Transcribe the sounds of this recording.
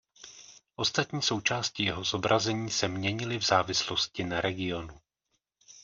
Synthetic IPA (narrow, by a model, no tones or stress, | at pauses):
ʔo̞st̪at̪ɲiːso̞wt͡ʃaːscɪjɛɦozo̞bɾʔazɛɲiːsɛmɲɛɲɪlɪvzaːvɪslo̞scɪnaɾɛɡɪo̞nu